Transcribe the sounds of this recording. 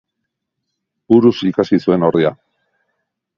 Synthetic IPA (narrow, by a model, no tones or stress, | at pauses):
buɾusikasisue̞no̞ɾðia